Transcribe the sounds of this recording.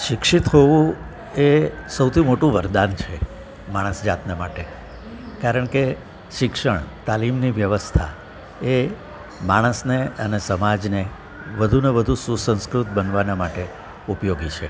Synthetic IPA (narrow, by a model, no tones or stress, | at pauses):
ʃɪkʃit̪ɦoʋũ | esəwt̪ʰimoʈũʋəɾd̪ant͡ʃʰe | maɽ̃əsd͡ʒat̪nemaʈe | kaɾəɳ̃ke | ʃɪkʃəɳ̃t̪alimniʋjəʋəst̪ʰa̰ | e | maɽ̃əsneənesəmad͡ʒne | ʋəd̪ʱunebəd̪ʱũsusə̃nskɾut̪̚bənʋanamaʈe | upjoɡit͡ʃʰe